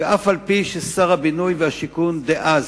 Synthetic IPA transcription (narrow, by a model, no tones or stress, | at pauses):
ʔafalpiʃesaʁhabinujvehaʃikund̪eʔaz